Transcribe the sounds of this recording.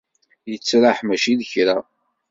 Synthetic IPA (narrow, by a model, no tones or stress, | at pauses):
jət͡sːɾaħmæʃiðəçɾa